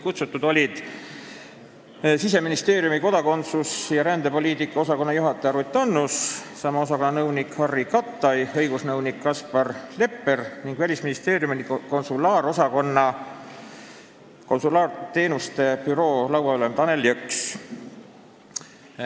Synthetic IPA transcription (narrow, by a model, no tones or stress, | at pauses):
kut̪sut̪ːˑud̪o̞lʲid̪̥ | sise̞minist̪e̞ːɾjumiko̞d̪̥ɑko̞nt̪susjɑɾænd̪̥e̞po̞lʲiːt̪ikːˑɑosɑko̞nːɑjuɦɑt̪ːˑɑjɑɾut̪ːˑɑnːussɑmɑo̞sɑko̞nːɑnɤwnikhɑrːikɑt̪ːˑɑjɤ̞jɡ̥usnɤwnikːɑspɑrle̞pːe̞rniŋɡ̥vælʲisminist̪e̞ːɾjumnko̞nsulɑːɾo̞sɑko̞nːɑ | konsulɑːrt̪e̞ːnust̪e̞pyɾo̞ːlɑwɑolent̪ɑnelːiøks